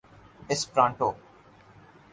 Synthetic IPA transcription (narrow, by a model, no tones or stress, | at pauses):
ɪspɾãːɳʈoː